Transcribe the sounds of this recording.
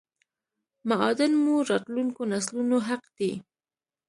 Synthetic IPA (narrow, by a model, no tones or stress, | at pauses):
maɑd̪ɪnmuɾɑt̪luŋkonaslunoɦaqd̪̥i